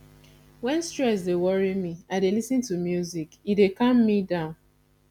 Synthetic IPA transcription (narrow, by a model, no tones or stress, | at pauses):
wɛ̃nstɹɛs̬dewɔɹimiaɪdelisɨ̃ntumjuzikidekʌ̃mːidãʊ̃n